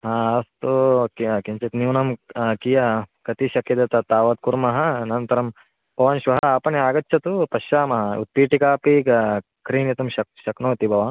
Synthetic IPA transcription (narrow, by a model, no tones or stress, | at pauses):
ɦaːɐst̪ukɐkint͡ʃɐt̪niːnɐmkijakɐt̪iʃɐkjɐd̪ɐt̪ɐt̪aːʋɐt̪kuɾmɐɦɐnɐnt̪ɐɾɐm | bʱɐʋaːnʃʋɐɦɐɐːpɐniaːɡɐtːt͡ʃʰɐt̪upɐʃaːmɐɦɐṵt̪̚piːʈikaːpi | kɾiːnit̪ɐmʃɐk̚ʃɐknoːt̪ibʱɐʋaːn